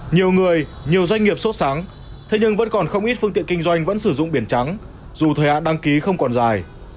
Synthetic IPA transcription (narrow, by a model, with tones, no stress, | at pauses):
ɲi˨˩əwŋɨ˨˩əj | ɲi˨˩əwzwa˧jŋ̟ŋi˨˩əp̚so˦˥t̚saː˨˦ŋ | t̪ʰe˨˦ɲɨ˧ŋvə̰˧˥nkɔ˨˩nxə˧wŋ͡mʔi˦˥t̚fɨ˧ŋt̪ḭ˧˨ŋkï˧ŋzwa˧jŋ̟və̰˧˥nsɨ˧˩zʊ̰˧˨ŋ͡mɓi˧˩ənt͡ɕa˨˦ŋ | zu˨˩t̪ʰəː˨˩jha̰ː˧˨nɗa˧ŋki˨˦xə˧wŋ͡mkɔ˨˩nzaː˨˩j